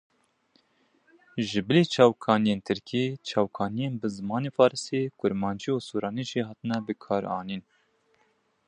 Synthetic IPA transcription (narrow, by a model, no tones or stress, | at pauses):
ʒɪbɨliːt͡ʃʰɑːwkʰɑːnijeːnt̪ʰɨɾkʰiːt͡ʃʰɑːwkʰɑːnijeːnbɨzɨmɑːneːfɑːɾɨst̪ekʊɾmɑːnd͡ʒiuːsuːɾɑːniʒiɦɑːt̪ɨnɛbɨkʰɑːɾɑ̰ːniːn